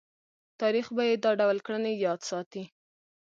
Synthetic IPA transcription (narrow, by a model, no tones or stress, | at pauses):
t̪ɑɾixbajed̪ɑɖawlkɽənejɑd̪sɑt̪i